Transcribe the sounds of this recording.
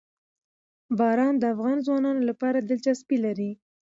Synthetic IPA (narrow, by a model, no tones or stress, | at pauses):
bɑɾɑnd̪əafɣɑnzwɑnɑnolapɑɾad̪ɪlt͡ʃaspilaɾi